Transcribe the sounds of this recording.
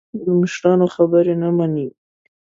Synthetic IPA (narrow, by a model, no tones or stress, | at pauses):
d̪əmɪʃɾɑnoxabəɾenamani